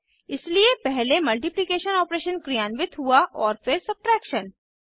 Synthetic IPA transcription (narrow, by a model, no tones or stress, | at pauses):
ɪsliepɛɦlemɐlʈɪplɪkeːʃənɔːpɾeːʃənkɾijaːnʋɪt̪ɦuaʔɔːɾfɪɾsɐb̚ʈɾɛːkʃən